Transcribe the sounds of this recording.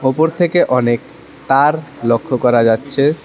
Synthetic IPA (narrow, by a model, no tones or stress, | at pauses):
opoɾt̪ʰekeʔɔnek | t̪aɾlokʰːokɔɾad͡ʑatːɕʰe